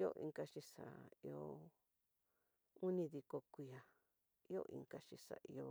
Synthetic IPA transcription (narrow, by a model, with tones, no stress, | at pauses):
o̰˦ʔḭ̃˧ŋka˧ʃi˧sa̰˨i˧o˧ | u˦nĩ˧ði˧ko˧kʷi˧˨a˨ | i˦o̰˦ʔḭ̃˧ŋka˧t͡ʃi˧sa̰˨i˧o˧